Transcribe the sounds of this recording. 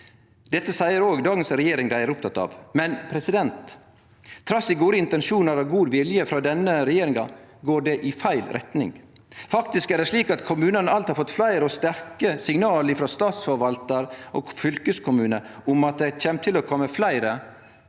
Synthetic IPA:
d̪ɛt̪ːəsæɪəɾoːɡd̪ɑːɡənsɾɛjeːɾɪŋd̪æɪæɾʊp̚t̪ʰɑt̪ːɑ̰ʋmɛnpʰɾɛsɪd̪ɛnt̪ʰː | ɾɑsɪɡuːd̪əɪnt̪ɛnʂuːnəɾɑɡuːd̪ʋɪljəfɾɑːd̪ɛnːəɾɛjeːɾɪŋɑɡoːɖɛʔɪfæɪlɾʔɛ̰t̪nɪ̰ŋ | fɑkt̪ɪskæɖɛʂliːkɑt̪kʰʊmʉːnənəɑlt̪hɑɾfɔt̪ːflæɪɾəɔst̪æɾkəsɪŋnɑːləɪfɾɑst̪ɑːt̪sfɔɾʋɑlt̪əɾʔo̰ːɡfʏlkəskʰʊmʉːnəʔʊmɑt̪̚d̪æɪc͡çɛmt̪ʰɪlɔkʰɔmːəflæɪɾə

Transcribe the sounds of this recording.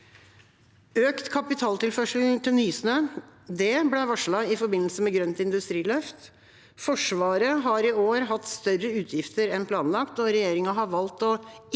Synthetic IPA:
øːkt̪kʰɑpɪt̪ʰɑːlt̪ɪlfœʂəl̩t̪ʰɪlnyːsnəːd̪ɛblɛʋɑʂɭɑɪfɔɾbɪnːl̩səmɛɡɾœnt̪ɪnd̪ʉst̪ɾiːlœft̪ | fɔʂʋɑːɾəɦɑɾɪoːɾɦɑt̪ːst̪œrːəʉːt̪ʰjɪft̪əɾɛnpʰlɑːnlɑkt̪nɔɾɛjeːɾɪŋɑɦɑɾʋɑlt̪ɔ

